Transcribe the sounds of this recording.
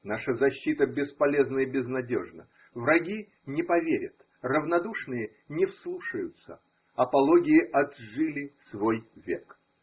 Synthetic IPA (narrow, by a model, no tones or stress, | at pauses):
naʂəzɐɕːit̪əbʲɪspɐlʲeznəjəbʲɪznɐdʲo̰ʐnə̰ | vɾɐɡʲi | nʲɪpɐvʲeɾʲət̪ | rəvnɐd̪uʂnɨjə | nʲɪfslˠuʂəjʊt̪sə̰ | ɐpɐlˠoɡʲɪjɪʔɐd̪ʐɨlʲɪsvojvʲḛk